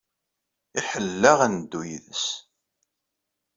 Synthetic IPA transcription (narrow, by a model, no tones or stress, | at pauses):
iħəlːæʁænd̪ːujðəs